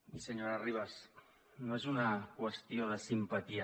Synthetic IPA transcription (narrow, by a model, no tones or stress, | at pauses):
isəɲoɾariβ̞as | noezunakwəst̪ioðəsimpət̪ia